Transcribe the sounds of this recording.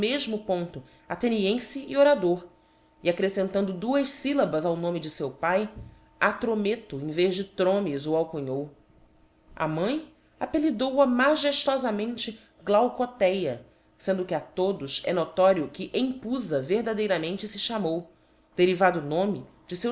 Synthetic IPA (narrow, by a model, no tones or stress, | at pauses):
meʒmʊpõnt̪ʊ | at̪eniẽsɪioɾad̪oɾ | iakɾesẽnt̪ɐ̃nd̪ʊd̪uɐʃsilɐbɐzawnõmɪd͡ʒɪsewpaj | at̪ɾomet̪ʊẽj̃vezd͡ʒɪt̪ɾõmizʊawkuɲow | ɐ̰mɐ̃j̃ | apelid̪owɐmaʒeʃt̪ɔzɐmẽnt͡ʃɪ | ɡlawkot̪ɛjɐ | sẽnd̪ʊkɪat̪od̪ʊsɛnot̪ɔɾiʊkɪʔẽj̃puzɐveɦd̪ad̪ejɾɐmẽnt͡ʃɪsɪʃamow | d̪̥eɾivad̪ʊnõmɪ | d͡ʒɪsew